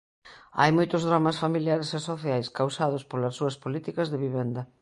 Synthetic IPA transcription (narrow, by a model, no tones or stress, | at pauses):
a̰jmojt̪ʊzðɾamɐsfamiljaɾesesoθjajskawsað̞ʊspolɐsːuɐspolit̪ikɐzðeβiβɛnd̪ɐ